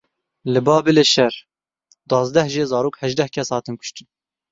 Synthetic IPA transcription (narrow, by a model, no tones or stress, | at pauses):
lɨbɑːbɨleːʃɛɾ | d̪wɑːzd̪ɛhʒeːzɑːɾoːkhɛʒd̪ɛhkʰɛshɑːt̪ɨnkʰʊ̥ʃt̪ɨn